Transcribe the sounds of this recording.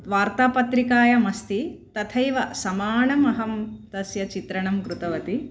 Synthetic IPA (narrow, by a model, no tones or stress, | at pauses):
ʋaːɾt̪aːpɐt̪ɾikaːjɐmɐst̪it̪ɐt̪ʰɐjʋɐsɐmaːɳɐmɐɦɐmt̪ɐsjɐt͡ʃit̪ɾɐɳɐmkɾut̪ɐʋɐt̪i